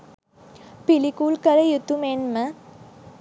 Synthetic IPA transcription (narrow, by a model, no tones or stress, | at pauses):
pilikuːlkɐɾɐjut̪ːumeːnmɐ